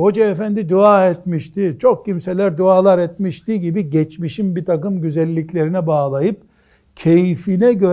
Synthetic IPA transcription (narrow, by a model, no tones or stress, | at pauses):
ho̞d͡ʒaːfænd̪id̪uaːɛt̪miʃt̪ʰit͡ʃʰo̞k̚cʰimselʲæɾd̪uaːlˠaɾɛt̪miʃt̪iɟibiɟɛt͡ʃmiʃinbit̪ʰakɯmɟyzɛlʲːiclʲe̞ɾinɛbaːlˠajɯp̚ | cʰejifinɛɟø